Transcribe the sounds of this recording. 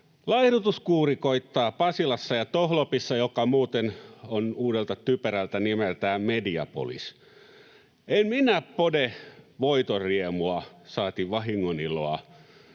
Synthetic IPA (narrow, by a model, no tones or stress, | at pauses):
lɑihdut̪uskuːrikoit̪ːɑːpɑsilɑsːɑjɑt̪ohlopisːɑjokɑmuːt̪enonuːdelt̪ɑt̪ypøɾælt̪ænimelt̪æːmediɑ̰po̰lḭs | emminæppodeʋoit̪oriemuɑsɑːt̪iʋɑɦiŋːoniloɑ